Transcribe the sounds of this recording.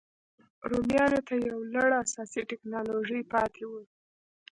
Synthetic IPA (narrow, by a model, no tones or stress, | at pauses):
ɾomjɑnot̪ajawlaɽaasɑsiʈɪknɑloʒəjpɑt̪ʰewu